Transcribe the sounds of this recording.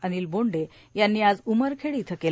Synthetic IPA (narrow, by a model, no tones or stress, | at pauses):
aniːlboɳɖe | janːiːad͡zuməɾkʰeɽiːt̪ʰəkel